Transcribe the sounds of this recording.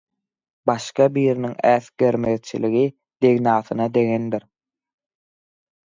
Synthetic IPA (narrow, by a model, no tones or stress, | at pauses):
bɑʃqɑbiːɾiniŋæːθɡeɾmeðt͡ʃʰḭliɣi | d̪̥e̞ɣnɑːθɯnɑd̪e̞ŋend̪iɾ